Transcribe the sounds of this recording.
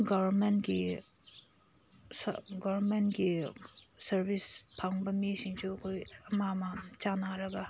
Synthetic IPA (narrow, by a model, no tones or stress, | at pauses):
ɡabɐɾmentɡi | sɡɔwɾmentɡi | sɐɾbispʰaŋbɐmisiŋt͡ʃʰuɐkʰojɐmamɐt͡ʃanaɾɐɡɐ